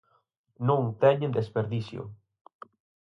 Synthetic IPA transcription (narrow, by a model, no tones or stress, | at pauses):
nõŋt̪ɛɲẽnd̪espeɾðisjo̰